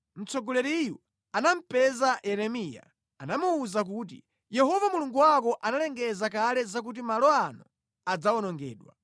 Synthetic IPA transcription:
m̩t͡sɔɡɔlɛɾiju | anam̩pɛzaɛɾɛmija̰ | anamuːzak̬uːt̬ḭ | jɛɦɔvamuluŋɡuwakɔʔanalɛŋɡɛzakalɛzak̬ut̬imalɔanu | ad͡zaɔnɔŋɡɛ̰ːɗwa̰

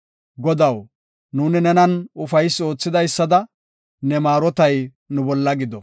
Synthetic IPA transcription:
ɡɔd̪ɐw | nuːnɪnɛnɐnʊfɐjsːo̞ːt͡sːɪd̪ɐjsːɐd̪ɐ | nɛmaːɾɔt̪ɐj | nʊbɔlːɐɡɪd̪ɔ

